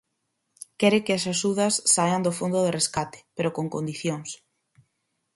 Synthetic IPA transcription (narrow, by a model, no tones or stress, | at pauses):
kɛɾɪkeasaʃuðasːaʎand̪ofond̪oðereskat̪ɪ̥peɾokoŋkond̪iθjoŋs